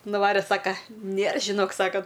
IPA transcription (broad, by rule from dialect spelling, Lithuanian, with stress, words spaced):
nʊˈʋɑːrʲeː ˈsɑːkɐ ˈnʲeːr ʒʲɪˈnoːk ˈsɑːkɐ